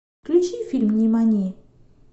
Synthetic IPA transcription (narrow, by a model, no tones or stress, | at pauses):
kɾit͡ʃifilmɲimãɲi